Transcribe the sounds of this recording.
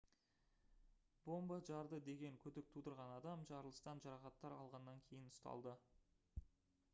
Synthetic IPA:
bo̞mbɑʒɑɾd̪əd̪e̞ɡʲe̞ŋkʲʰɵd̪ɪk̚t̪ʰud̪əɾʁɑnɑd̪ɑmʒɑɾlˠəst̪ɑnʒɑɾɑχɑt̪ːɑɾɑlˠʁɑnːɑŋkʲʰe̞jɪnʊst̪ɑ̰lˠd̪ə

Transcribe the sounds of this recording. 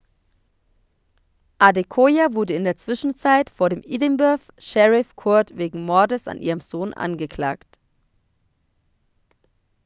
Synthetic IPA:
ʔadekʰoːjavʊɐdəɪndeːɐt͡sv̥ɪʃn̩t͡saɪtfoːɐɾeːmʔiːdəmbœɐf | ʃɛʁɪfkʰʊɐtveːɡŋ̩mɔɐdəsa̰nʔḭːʁəmz̥oːnʔa̰nɡəkl̥a̰ːkt

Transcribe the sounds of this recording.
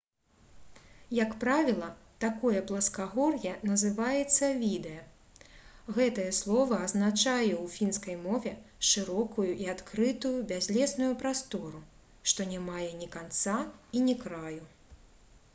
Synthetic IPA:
jɐkpɾavʲilˠɐt̪akɔjɛplˠɐskaɣɔrjɛnɐzɨvajɛt̪sːɐvʲid̪ɛjɐ | ɣɛt̪ɐjɐslˠɔvɐːznat͡ʂajɛwfʲinskɐjmɔvʲɛʂɨɾɔkujuʔiat̪kɾɨt̪ujubʲazʲlʲɛsnujupɾast̪ɔɾu | ʂt̪ɔnʲɛmajɛnʲikant̪sainʲikɾaju

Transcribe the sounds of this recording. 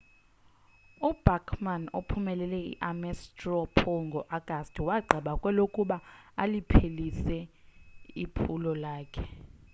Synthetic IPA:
ub̥ʱakʰmano̰pʰumɛlɛlɛḭʔamɛstʼrɔpʰɔŋɡʱɔʔaɡ̥ʱastʼiwaɡ͡ǀʱaɓakʼwɛlokʼuɓaalipʰelisɛ | ipʰulɔlaːkʰɛ

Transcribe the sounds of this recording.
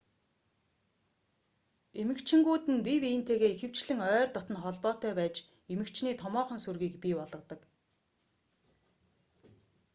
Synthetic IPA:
emɘ̆kt͡ɕʰɪ̆ŋɡuːt̪ɘ̆npʲiwiːnt̪ʰeːɣeːixɘ̆w̥t͡ɕɮɘ̆ŋœːrt̪ɔt̪ə̆nχɔɮpɔːt̪œːpæːt͡ɕ | emɘ̆kt͡ɕʰniːt̪ʰɔmɔːχɞ̆nsurɣiːkpʲipɔɮʁɞ̆t̪ɞ̆k

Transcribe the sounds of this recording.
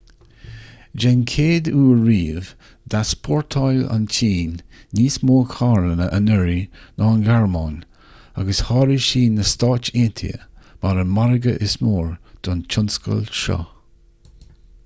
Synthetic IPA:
d͡ʒɛnkʰeːd̪uːɹiːv | d̪̥aspʰɔɹt̪ʰɔjla̰nt͡ʃʰiːnːiːsmoːkʰaːɾənəʔənɛɹinɔːnɡaɹmɔːn | aɡəshɑːɾiʃiːnəst̪ɑːt͡ʃeːnt̪ʰḭə̰maɾəmaɾəɡə̰ʔɪsmoːɹd̪̥ɔnt͡ʃʰʊnskə̰lʃɔ̰

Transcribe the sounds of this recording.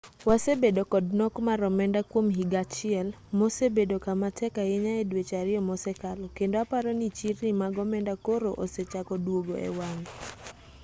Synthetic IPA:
wasebedokɔdnɔkmaɾɔmɛndakwomɦiɡat͡ʃɪɛl | mosebedokamatʰɛkajeɲaedwet͡ʃaɾɪɔmɔsɛkalɔkendoapaɾɔnit͡ʃirːimaɡɔmɛndakoɾoʔoset͡ʃakɔdwoɡo̰ʔḛwaŋ

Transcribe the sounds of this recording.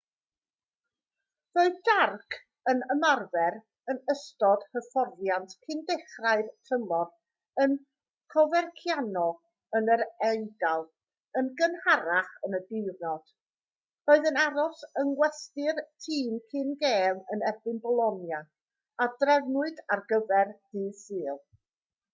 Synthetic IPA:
roːɨðdarkʰ | ənəmarvɛɾ | ənəstɔd̥həfɔrvjantkʰɨndɛχraɨðtʰəmɔr | ən | kʰɔvɛrkʰjanɔ | ənəɾɛɨdalˠ | ənɡənhaɾaχənədɪrnɔd̥ | roːɨðənaɾɔsənɡwɛstɪrtʰiːmkʰɪnɡeːmənɛrbɨnbɔlˠɔnja | adrɛvnʊɨdarɡəvɛrd̥ɨːsɨːlˠ

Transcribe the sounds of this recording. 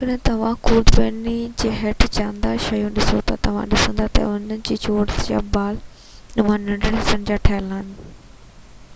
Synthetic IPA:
kɐɗ̃ɦɪ̃t̪ɐʋ̤ãkuːd̪ɾeːnid͡ʑeːɦeʈt͡ɕãːnd̪aʃɐjũɗɪsot̪at̪ɐʋ̤ã̰ɗɪsə̃nd̪at̪ɐ̰ʊnənɪ̆d͡ʑiːt͡ɕoːɽd͡ʑa̰baːl | nʊʋãnɐ̃ɳɖəɽɦɪsənd͡ʑaːʈʰɐəlaːn

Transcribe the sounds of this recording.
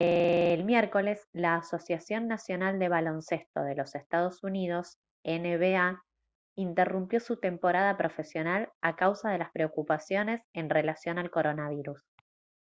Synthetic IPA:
elmjɛɾko̞le̞slaːso̞sjasjo̞nːasjo̞nald̪e̞β̞alo̞nse̞st̪o̞̰ð̞e̞lo̞sest̪að̞o̞sunið̞o̞s | eneβea | int̪erumpjo̞sut̪e̞mpo̞ɾað̞apɾo̞fe̞sjo̞nalakawsaðe̞laspɾeokupasjo̞ne̞se̞nre̞lasjo̞nalko̞ɾo̞naβ̞iɾus

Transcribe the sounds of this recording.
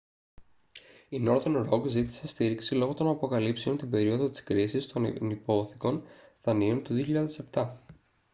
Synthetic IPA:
ino̞ɾt̪onɾo̞ɡzit̪i̥se̞st̪iɾiksilo̞ɣo̞t̪o̞nɐpo̞kɐlipseo̞nt̪ibe̞ɾio̞ðo̞t̪i̥skɾisist̪o̞nnipo̞θi̥ko̞nðɐniont̪uðioçiʎɐðe̞se̞pt̪ɐ

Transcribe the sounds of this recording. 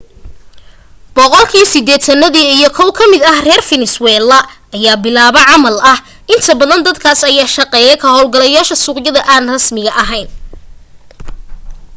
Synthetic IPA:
b̥ɔqɔlkʰiːsɪd̪ɛːt̪ʰɐnɐðiːijɔkʰɔwkʰɐmɪd̪ɐhrɛːrfɪnɪswɛːlɐ | ɐjaːbɪlaːβɐʕɑmɐlɐh | ʔɪnt̪ʰɐbɐðɐnd̪ɐd̪kʰaːsɐjaːʃɐqɛːjɛkʰɐhɔlɡɐlɐjaːʃɐsuːqjɐðɐʔaːnrɐsmɪɣɐʔɐɦɛjn

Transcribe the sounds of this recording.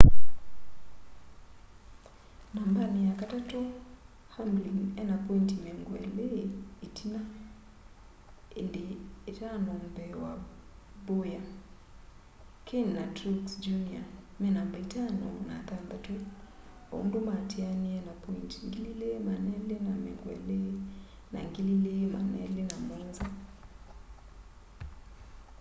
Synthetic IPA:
nambanijakatato | hambliŋɛnapɔintimɛŋɡwɛ̰leetʰina | endeːtanombɛwa | boja | kʰinnatɾuksd͡ʒunia | mɛnambaitanɔ̰na̰t̪and̪atwɛ | o̰ndumatʰianiɛnapɔintiŋɡililemanɛlenamɛ̰ŋɡwɛ̰le | na̰ŋɡililema̰nɛ̰lenamɔnza

